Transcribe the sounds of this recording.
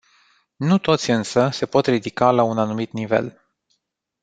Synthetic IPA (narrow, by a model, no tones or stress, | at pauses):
nut̪o̞t̪sʲɨnsəse̞po̞t̪rid̪ikalaunanumit̪nive̞̰l